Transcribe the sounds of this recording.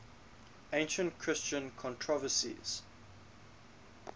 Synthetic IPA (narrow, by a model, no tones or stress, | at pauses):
ẽɪ̃nʃə̃ntkʰɹ̥ɪst͡ʃə̃nkʰɔ̃ntʰɹɔvəsḭz̥